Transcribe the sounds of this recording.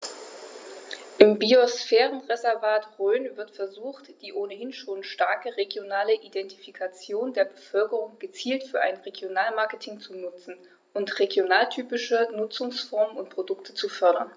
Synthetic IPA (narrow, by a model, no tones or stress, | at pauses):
ʔɪmbiosfɛːʁənʁezɛɐvaːtʁøːnvɪɐtfɛɐzuːxtd̥iːʔoːnəhɪnʃoːnʃtaɐkəʁeɡjonaːləʔidɛnti̥fikʰat͡sjoːndeːɐbəfœlkəʁʊŋɡ̥ət͡siːltfyːɐʔaɪnʁeɡjonaːlmaɐkətʰɪŋt͡sunʊt͡sn̩ | ʔʊntʁeɡjonaːltʰyːpɪʃənʊt͡sʊŋsfɔɐmənʊnt̚pʁ̥odʊktʰət͡sufœɐɾɐ̰n